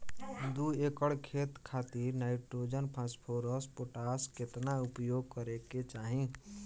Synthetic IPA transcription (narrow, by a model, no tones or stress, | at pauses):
d̪uekəɽkʰet̪kʰat̪iɾnaɪʈɾod͡ʒənpʰãspʰoɾəspoʈasket̪naupjoɡ̚kəɾeket͡ʃaɦĩ